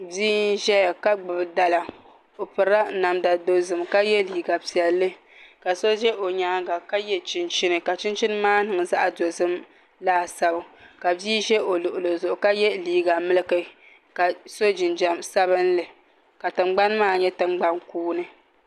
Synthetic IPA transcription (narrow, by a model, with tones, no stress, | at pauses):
biː˦n˦ʒɛ˦ja˨ka˦ɡ͡bɨ˨bɨ˨da˨la˨ | o˨pɨ˨ɾa˦na˨mda˨do˨zɨ˨mka˦jɛ˦liː˨ɡa˨pi˨ɛ˨lːɨ˦ | ka˨so˦ʒɛ˦ʔo˨ɲa˦ɡa˨ka˦jɛ˦t͡ʃɪ˦nt͡ʃi˦nɨ˨ka˨t͡ʃi˦nt͡ʃi˦nɨ˦maː˦nɨ˨ŋ˨za˦ʔa˨do˨zɨ˦m | laː˦˨sa˦bʊ˦ka˨biː˦ʒɛ˦ʔo˨lʊ˨ʔʊ˨lo˨zʊ˨ʔʊ˨ka˦jɛ˦liː˨ɡa˨mɨ˦lɨ˦kɨ˨ | ka˨so˦d͡ʒɪ˨nd͡ʒa˨msa˦βɨ˦nlɨ˨ | ka˨tɨ˨ŋ͡mɡ͡ba˦n˦maː˦ɲɛ˦tɨ˨ŋ͡mɡ͡ba˦nkuː˦nɨ˦